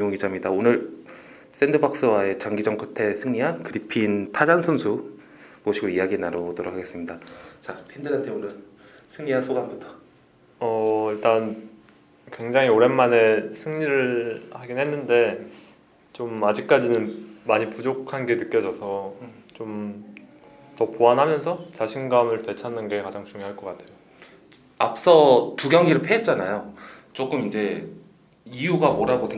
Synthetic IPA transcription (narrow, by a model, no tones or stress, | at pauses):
ɲoŋɡid͡ʑamɲidaonɯɭ | s͈endɯbak̚s͈ɯwae̞t͡ɕaŋɡid͡ʑʌŋkʰɯtʰe̞sʰɯŋɲiɦankɯɾipʰiːntʰad͡ʑansʰonsʰu | moɕʰiɡoijaɡienaɾobotoɾokʰaɡe̞s͈ɯmɲidat͡ɕasʰendɯd͡ʑantʰeonɯn | sʰɯŋɲiɦansʰoɡanbutʰʌ̥ | ʌiɭt͈an | kwe̞ŋd͡ʑaŋioɾe̞nmane̞sʰɯŋɲiɾɯɭhaɡinɦe̞nːɯnde̞ | t͡ɕomad͡ʑik̚k͈ad͡ʑinɯnmaɲipud͡ʑokʰanɡe̞nɯk͈jʌd͡ʑʌsʰʌ | t͡ɕom | tʌpoanɦamjʌnsʰʌt͡ɕaɕʰinɡamɯɭtwe̞t͡ɕʰanːɯnɡe̞kad͡ʑaŋt͡ɕuŋjoɦaɭk͈ʌk͈atʰe̞jo | ap̚s͈ʌtuɡjʌŋɡiɾɯɭpʰeːt̚t͡ɕ͈anajot͡ɕ͈ok͈ɯmind͡ʑe̞ | ijuɡamoɾaɡode